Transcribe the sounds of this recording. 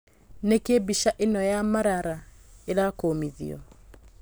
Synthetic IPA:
nekebiʃaʔenɔjamaɾaɾaeɾakoːmiðḭɔ̰

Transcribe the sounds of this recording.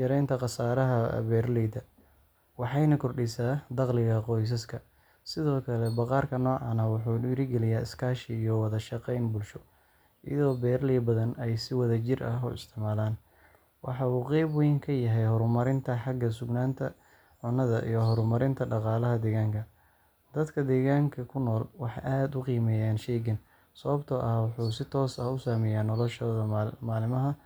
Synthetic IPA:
jɐɾɛjnt̪ʰɐqɑsaːɾɐɦɐ̰βɛːrliːd̪ɐ | wɑħɑjnɐkʰɔrɖɪsaːd̪ɑqlɪɣɐqɔjs̬ɐskʰɐ | sɪðɔːkʰɐlɛbɑqɑːrkʰɐnɔːʕɑnɐwʊħuːɪɾɪɡɛlɪjaːɪskʰaːʃɪːjɔwɑðɐʃɑqɛjnbʊlʃɔ | ʔɪjɐ̰ðɔːbɛːɾliːbɐðɐnɛjsɪwɐðɐt͡ʃɪrʔɐɦṵɪ̰st̪ʰɪʕmaːlaːn | wɑħɑːuːqɛjbwɛjŋkʰɐjɐɦɛjhɔɾʊmɐɾɪnt̪ʰɐħɑɡɐsʊɡnaːnt̪ʰɐ | ʕʊnːɐðɐʔḭjɔɦɔɾʊmɐɾɪnt̪ʰɐɖɑqɑːlɐɦɐd̪ɛːɣaːŋkʰɐ | d̪̥ɐd̪kʰɐd̪ɛːɣaːŋkʰɐkʰʊnːɔːlwɑħɑ̰jʔaːd̪ʊqiːmɛːjaːnʃɛːɣɪn | sɐβɐbt̪ʰɐʔɐwɑħuːsɪt̪ʰɔːsɐhʊsaːmɛjaːnɔlɔʃɔːðɐmaːlɪmɐɦɐ

